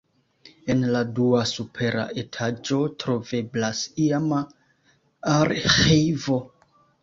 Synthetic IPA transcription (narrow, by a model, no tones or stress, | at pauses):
e̞nladuasupʰe̞ɾa̰ʔe̞tʰad͡ʒo̞tɾo̞ve̞blasiama | aɾxivo̞